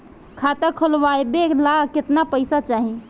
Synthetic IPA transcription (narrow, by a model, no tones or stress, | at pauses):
kʰaːt̪akʰolʋajbelakɪt̪napəɪsat͡ʃaːɦẽ